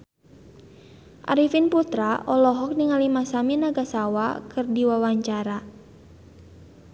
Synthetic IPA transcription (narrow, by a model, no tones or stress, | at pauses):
ʔa̰ɾifinput̪ɾaʔɔlɔɦɔk̚niŋalimasaminaɡasawakɨrdiwawaɲt͡ʃaɾa